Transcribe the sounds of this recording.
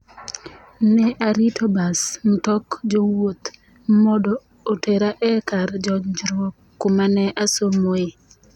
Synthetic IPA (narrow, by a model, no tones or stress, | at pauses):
nɛʔaɾitʰobasm̩tɔkd͡ʒowot̪ | mɔdɔː | teɾaʔɛkaɾd͡ʒɔɲd͡ʒɾwokːumanɛʔasomoɪ